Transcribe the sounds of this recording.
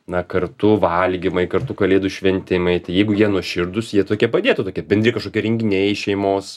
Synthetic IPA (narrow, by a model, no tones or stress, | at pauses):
nɐkɐrt̪ʊʋɐlʲɡʲɪmɐɪkɐrt̪ʊkɐlʲeːd̪ʊʃʲʋʲɛnʲt̪ʲɪmɐɪt̪ɐɪjɛɪɡʊjiɛnuɔʃʲɪrd̪ʊsjiɛt̪oːkʲiɛpɐd̪ʲeːt̪ʊt̪oːkʲiɛbʲɛnd̪ʲɾʲiɪkɐʃkoːkʲiɛɾʲɛŋʲɡʲɪnʲɛɪʃʲɛɪmoːs